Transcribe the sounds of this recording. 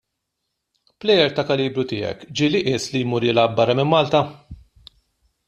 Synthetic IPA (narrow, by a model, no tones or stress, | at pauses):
plɛjɛɾt̪ɐkɐliːbɾʊt̪ɪːɛ̰kd͡ʒɪːlɪʔɪslijmuɾɪːlɐbːɐrːɐmɪmːɐːlt̪ɐ